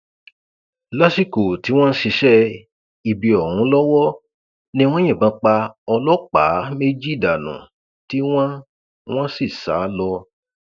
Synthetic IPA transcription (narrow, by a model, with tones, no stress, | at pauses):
la˦si˦˨ko˨ti˨˦w̃ɔ̃˦n̩˦ʃi˧ʃɛ˦ | i˧bi˨˧ɔ˨hũ˨˦lɔ˦wɔ˦ | nĩ˦w̃ɔ̃˦ĩ˦˨bã˧k͡pa˧ɔ˧lɔ˦k͡pa̰˨˦me˦d͡ʒi˦˨da˨nṵ̃˨ | ti˦w̃ɔ̃˦ | w̃ɔ̃˦si˦˨sa̰ː˨˦lɔ˧